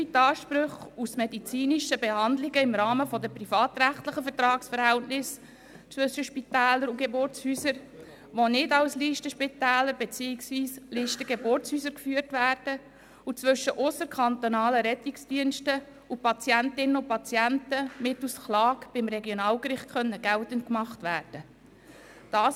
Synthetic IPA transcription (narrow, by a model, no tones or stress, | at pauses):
itɑːʃpɾʉχusmɛdit͡siːniʃəbehɑndlɪɡəɪmɾɑːməfɔdəpɾifɑːt̪ɾæχtləχəfəɾtɾɑːksfəɾhɛltnɪs | t͡svʏʃəʃpitæːləɾuɡ̥ebʊrt͡shysəɾ | ʋonɪdɑwsliːʃtəʃpitæːləɾbet͡siːɪksviːsliːʃtəɡebʊrt͡shyːsəɾkfyːəɾtvæːɾd̥ə | ut͡sʋʏʃːəʔʊsəɾkʰɑnt̪onɑːləɾɛt̪ɪksd̥iənʃtə | upɑt͡sjæntɪnənʊpɑt͡sjæntəmɪtusklɑːkb̥ɪmɾɛɡjonɑːlɡɾɪχt̚kʰχœnːəɡ̥ɛltənt̚kmɑχtʋæːrd̥ə | d̥ɑːs